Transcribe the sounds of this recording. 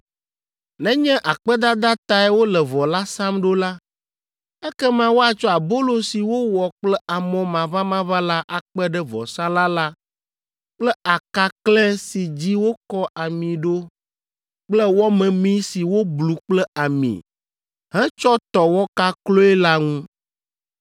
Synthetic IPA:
nɛ̃˦ɲɛ̃˦ʔa˨k͡pɛ˦d̪a˦d̪a˦t̪a˦ɛ˦wo˦lɛ˨vɔ˨la˦sã˦mɖo˦la˦ | ɛ˦kɛ˦mã˦wo˦a˨t͡ʃɔ˦a˨bo˦lo˨si˨wo˦wɔ˨k͡plɛ˦ʔa˨mɔ̃˨mã˨βa˦mã˦βa˦la˦ʔa˨k͡pɛ˦ɖɛ˦vɔ̰˨sã˦la˦la˦ | k͡plɛ˦ʔa˨ka˨klɛ˦si˨d͡ʑi˦wo˦kɔ˦ʔa˨mĩ˨ɖo˦ | k͡plɛ˦wɔ˦mɛ̃˨mĩ˦si˨wo˦blu˨k͡plɛ˦ʔa˨mḭ̃˨ | ɦɛ̃˦t͡ʃɔ˦t̪ɔ˨wɔ˦ka˦klo˦ɛ˦la˦ŋũ˦

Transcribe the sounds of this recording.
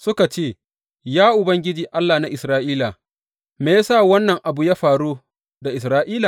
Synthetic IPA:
sʊ˦ka˨t͡ʃeː˦˨ | jaː˦ʔʊ˨bɐ˦ŋɡʲɪ˦d͡ʒiː˨ʔa˦lːa˨na˦ʔɪ˨sɾaː˦ʔiː˦la˨ | meː˨ja˦saː˦˨wɐ˦nːɐ˨ŋʔa˨bu˨jaː˦ɸaː˨ɽuː˦ | da˨ʔɪ˨sɾaː˦ʔiː˦la˨

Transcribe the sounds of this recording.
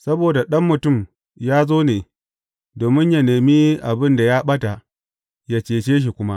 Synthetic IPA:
sɐ˦boː˨da˨ɗɐ˦mːʊ˨tʊ˦˨m | jaː˦zoː˦neː˨ | doː˨mɪ˦ɲja˨neː˨miː˦ʔa˨bɪ˦nda˨jaː˦ɓɐ˦ta˨ | ja˦t͡ʃeː˨t͡ʃeː˦ʃ̬i˨kʷʊ˦ma˦ʔ

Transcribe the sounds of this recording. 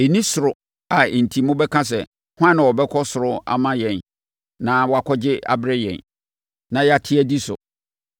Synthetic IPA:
e˨nĩ˦sʊ˨ɾʊ˨ | a˨n̩˨tʰi˨mʊ̃˦bɛ˦kʰã˦s̬ɛ˨ | hʊ˦ã˦ñ˨wɔ˨bɛ˦kʰɔ˦sʊ˨ɾʊ˦a̰˦mã˦jɛ̃˨n | nã˨wɔ˨a˨kʰɔ˦d͡ʑɪ˦ʔa̰˨bɾɪ˦jɛ̰̃˨n | nã˨jɛ˦a˦˨tʰɪ˦æ˦di˦sʊ̰˨

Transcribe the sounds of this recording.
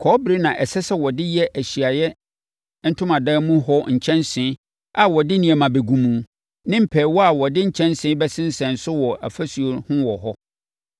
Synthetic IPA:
kʰɔ˦bɾe˦nã˨ʔɛ˨sɛ˦sɛ˦wɔ˨dɪ˦jɛ˦ʔæ˨ɕi˨a˨jɛ˦ | n̩˦tʰʊ̃˦mã˨dãː˦mũ˦hɔ˦ɲ̩˨t͡ɕʰɛ̃˦nsɪ̃˨˦ | a˨wɔ˨dɪ˦nĩ˨ɛ˨mã˨be˨ɡũ˦mũ˨ | nɪ̃˦m̩˦pʰɛ˨wɔ˦a˨wɔ˨dɪ˦ɲ̩˨t͡ɕʰɛ̃˦n˦sɪ̃˨˦bɛ˦sɪ̃˦n̩˦sɛ̃˨n̩˨sʊ˦wɔ˨ʔæ̰˨fæ˦su˨o˨hʊ̃˦wɔ˨ɦɔ˦

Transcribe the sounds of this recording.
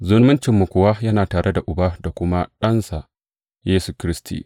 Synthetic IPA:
zʊ˦nmʊ˦nt͡ʃɪ˨mːu˨kʷʊ˦wa˦jɐ˦naː˨taː˨ɽʔe˦da˨ʔʊ˨ba˦da˨kʷʊ˦ma˦ɗɐ˦nsa˨ | jeː˦su˨kʲɾɪ˦stḭː˨

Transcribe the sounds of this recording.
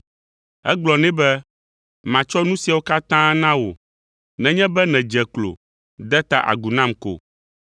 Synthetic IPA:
ɛ˦ɡ͡blɔ˨nɛ̃˦bɛ˦ | mã˨t͡ʃɔ˦nũ˦si˨a˨wo˦ka˦t̪ã˦nã˦wo̰˨ | nɛ̃˨ɲɛ̃˦bɛ˦nɛ̃˨d͡ʒɛ˨klo̰˨ | d̪ɛ˦t̪a˦ʔa̰˨ɡu˨nã˦mko̰˨

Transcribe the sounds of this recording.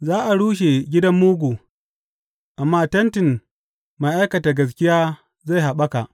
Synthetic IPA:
zaː˦ʔa˨ɽuː˦ʃ̬e˨ɡʲɪ˦dɐ˦mːuː˦ɡʷuː˨ | ʔa˨mːaː˦tɐ˦ntɪ˨n | ma˨ʔa˦jkɐ˨taː˨ɡɐ˨s̬kʲɪ˦jaː˦ | za˦˨jha˨ɓɐ˦ka˨ʔ

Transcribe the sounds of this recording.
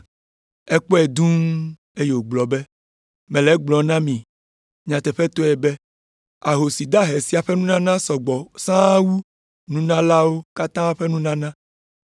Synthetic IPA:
ɛ˦k͡pɔ˦ɛ˨d̪ũ˦ | e˦je˨wo˨ɡ͡blɔ˨bɛ˦ | mɛ̃˨lɛ˨˦ɡ͡blɔ˨nã˦mĩ˨ | ɲã˨t̪ɛ˨ɸɛ˦t̪o˦ɛ˨be˦ | a˨ɦo˨si˨d̪a˦ɦe˨si˨˦a˨ɸɛ˦nũ˦nã˦nã˦sɔ˨ɡ͡bɔ˨sã˦wu˦ | nũ˦nã˦la˦wo˦ka˦t̪ã˦ɸɛ˦nũ˦nã˦nã˦

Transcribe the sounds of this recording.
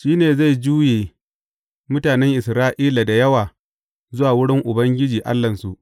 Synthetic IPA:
ʃiː˦neː˨za˦˨jd͡ʒuː˦jeː˨ | mʊ˦taː˨nɛ˦ŋʔɪ˨sɾaː˦ʔiː˦la˨da˨jɐ˦waː˨ | zʊ˦waː˨wʊ˦ɽɪ˦ŋʔʊ˨bɐ˦ŋɡʲɪ˦d͡ʒiː˨ʔa̰˦lːɐ˨nsu˨ʔ

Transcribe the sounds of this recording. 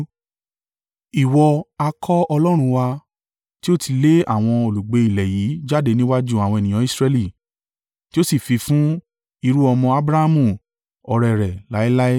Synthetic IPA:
i˨wɔ˧a˧kʰɔ˦ɔ˧lɔ˦ɾ̃ũ˧wa˧ | ti˦o˦tʰi˧le˦a̰˦˨w̃ɔ̃˧o˨lu˨ɡ͡be˧i˨lɛ˨ji˨˦d͡ʒa˦de˧nĩ˦wa˦d͡ʒu˦a˨w̃ɔ̃˧ɛ˨nĩ˨ɔ̃˨˦i˦˨sɾɛ˧li˦˨ | ti˦o˦si˦˨fi˧fũ˦ | i˧ɾu˦ɔ˧mɔ̃˧a˦bɾa˦a˦mũ˦˨ | ɔ˧ɾɛ˧˨ɾɛ˨la˨˦i˦la˦i˦

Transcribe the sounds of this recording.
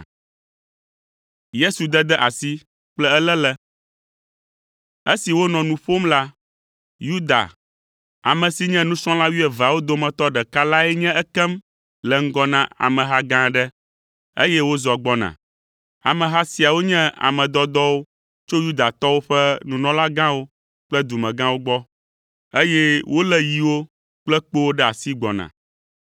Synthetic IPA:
je˦su˨d̪ɛ˦d̪ɛ˦ʔa˨si˦ | k͡plɛ˦ɛ˦lɛ˦lɛ˦ | e˦si˨wo˦nɔ̃˨nũ˨ɸo˦mla˦ | ju˦d̪a̰˨ | a˨mɛ̃˨si˦ɲɛ̃˦nũ˦sɔ̃˦la˦wi˦ɛ˨va˨wo˦d̪o˦mɛ̃˨t̪ɔ˦ɖɛ˨ka˦la˦ɛ˦ɲɛ̃˦ʔɛ˦kɛ˦m | lɛ˨ŋ̩˦ɡɔ˦nã˦a̰˨mɛ̃˨ɦa˦ɡã˦ɖɛ˦ | ḛ˦jɛ˦wo˦zɔ˨ɡ͡bɔ˦nã̰˨ | a̰˨mɛ̃˨ɦa˦si˨a˨wo˦ɲɛ̃˦a̰˨mɛ̃˨d̪ɔ˦d̪ɔ˦wo˦ | t͡ʃo˦ju˦d̪a˨t̪ɔ˦wo˦ɸɛ˦nũ˨nɔ̃˦la˦ɡã˦wo˦ | k͡plɛ˦d̪u˨mɛ̃˨ɡã˦wo˦ɡ͡bɔ˦ | e˦jɛ˦wʔo˦lɛ˦ji˨wo˦ | k͡plɛ˦k͡po˦wo˦ɖɛ˦a˨si˦ɡ͡bɔ˨nã̰˨

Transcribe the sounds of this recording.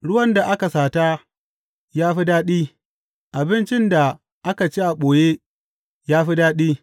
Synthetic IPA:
ɽʊ˦wɐ˦nda˨ʔa˦ka˨saː˨ta˦ | jaː˦ɸi˦daː˦ɗiː˦ | ʔa˨bɪ˦nt͡ʃɪ˦nda˨ | ʔa˦ka˨t͡ʃi˦ʔa˨ɓoː˨je˦ | jaː˦ɸi˦daː˦ɗiː˦

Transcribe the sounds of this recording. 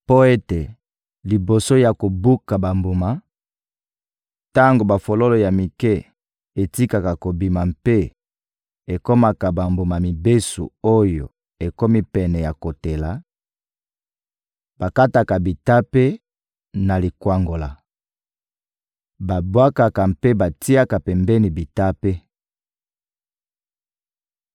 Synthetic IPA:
po˦e˦te˨ | li˨bo˨so˦ja˨ko˨bu˦ka˨ba˨mbo˨ma˨ | ta˦ŋɡo˨ba˨fo˨lo˦lo˨ja˨mi˨kɛ˦ | e˨ti˦ka˨ka˨ko˨bi˨ma˨mpe˦ | e˨ko˦ma˨ka˨ba˨mbo˨ma˨mi˨be˦sṵ˨o˦jo˨ | e˨ko˦mi˦pɛ˨nɛ˨ja˨ko˨te˨la˨˦ | b̥a˨ka˦ta˨ka˨bi˨ta˦pe˦ | na˨li˨kwa˦ŋɡo˨la˨ | ba˨bwa˦ka˨ka˨mpe˦ba˨ti˦a˦ka˨pɛ˨mbɛ˦ni˨bi˨ta˦pe˦

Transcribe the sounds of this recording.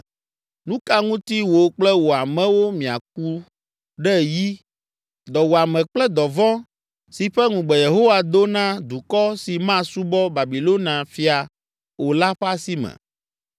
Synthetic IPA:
nũ˦ka˦ŋũ˦t̪i˦wo˨k͡plɛ˦wo˨a˨mɛ̃˨wo˦mĩ˨a̰˨k̚u˦ | ɖɛ˦˨ji˦ | d̪ɔ˨wo˨a˨mɛ̃˨k͡plɛ˦d̪ɔ˨vɔ̃˦ | si˨ɸɛ˦ŋũ˨ɡ͡bɛ˨je˨ɦo˦wa˨d̪o˦nã˦d̪u˨kɔ˦si˨mã˦su˦bɔ˦ba˨bi˨lo˦nã˨fi˦a˨ | wo˨la˦ɸa˦si˦mɛ̰̃˨

